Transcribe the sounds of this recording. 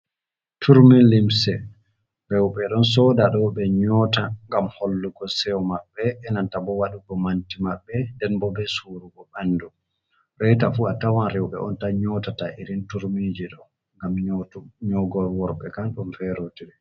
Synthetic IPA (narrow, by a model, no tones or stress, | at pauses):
tʰuɾminlimsɛ | ɾɛwɓɛɗɔnsɔdaɗɔɓɛɲɔtaŋɡamholːuɡɔsɛwmaɓːɛːnantabɔwaɗukɔmantimaɓːɛndɛnbɔbɛsuɾuɡɔɓanːdu | ɾɛjtafuatawanɾɛwɓɛ̰ʔɔ̰ntaɲɔtataʔiɾintuɾmid͡ʒiɗɔ | ŋɡamɲɔɡɔlwɔɾɓɛkanɗɔnfɛɾotiɾɛ